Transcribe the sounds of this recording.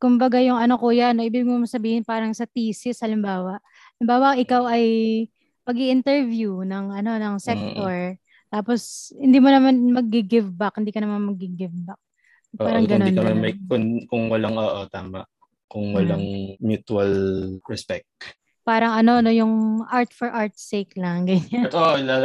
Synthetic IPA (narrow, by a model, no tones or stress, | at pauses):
kʊmbɐɡajʊŋɐno̞kujaɐnoʔɪbibɪɡŋomɐsɐbiːhɪnpaːɾɐŋsɐt̪iːsɪshɐlɪmbaːwɐʔ | ɐlɪmbaːwɐʔɪkawɐj | pɐɡiʔɪnt̪ɛɹvjunɐŋʔɐno̞nɐŋsɛk̚t̪oɹ | t̪aːposhɪnd̪iːmonɐmanmɐɡ̚ːiɡɪvbakhɪnd̪iːkɐnɐmanmɐɡ̚ɡɪɡɪvbak̚ | ʔaːɾɐɡɐnoniɐmanmɐkʊnkʊŋwɐlaŋʔoːʔot̪aːmɐ̰ʔ | kʊŋwɐlaŋmjut̪uɐlɹɛspɛk̚t̪̚ | paːɾɐŋʔɐno̞ɐno̞jʊŋʔaɹt̪fɔɹʔaɹt̪̚sejklɐŋɡɐɲaoʔla